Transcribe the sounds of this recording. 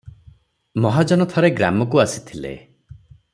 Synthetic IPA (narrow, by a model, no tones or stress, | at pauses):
mɔɦad͡ʒɔnɔt̪ʰɔɾeɡɾa̰mɔkuasi̥t̪ʰilḛ